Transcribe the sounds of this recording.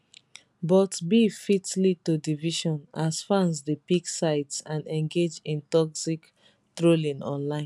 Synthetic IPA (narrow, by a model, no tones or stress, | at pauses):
bɔtbifitlitodiviʃɔ̃nasfãnsdepiksaɪtsãnɛ̃ŋɡed͡ʒĩntɔksik | tɹolĩnɔ̰̃nlãɪ̃nn